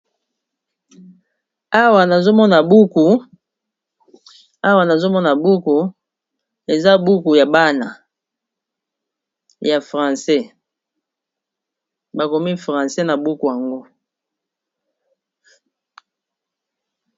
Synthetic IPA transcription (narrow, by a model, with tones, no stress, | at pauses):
a˦wa˨na˨zo˦mɔ˦na˨bu˦ku˨ | a˦wa˨na˨zo˦mɔ˦na˨bu˦ku˨ | e˨za˦bu˦ku˨ja˨ba˦na˨ | ja˨fʁã˨sɛ˦ | ba˨ko˨mi˦fʁã˨sɛ˦na˨bu˦ku˨ja˨ŋɡo˦